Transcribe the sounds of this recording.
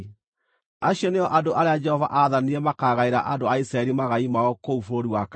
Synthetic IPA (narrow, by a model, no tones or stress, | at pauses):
aɕjɔneɔʔadoʔaɾead͡ʒɛhɔva̰ʔaðaniɾɛmakaːɣaeɾa̰ʔandoaisɾaɛɾimaɣaimaɔkoufoɾiwak